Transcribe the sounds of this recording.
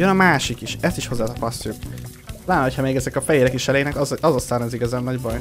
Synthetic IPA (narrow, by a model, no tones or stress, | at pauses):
jønɒmaːʃikiʃɛst̪iʃho̞zːaːt̪ɒpɒst̪ːuk | laːnho̞chɒmeːɡɛzɛkɒfɛjeːɾɛkiʃɛlejnɛkzɒzost̪aːnɛziɡɒzaːnːɒɟbɒj